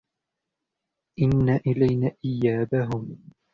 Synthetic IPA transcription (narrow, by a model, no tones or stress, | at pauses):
ʔɪnːaːʔɪlajnaːʔɪjːaːbaɦʊm